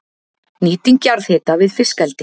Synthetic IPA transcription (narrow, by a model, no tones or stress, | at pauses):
niːt̪iŋcaɾðhɛːt̪avɪðfɪskɛlt̪ɪ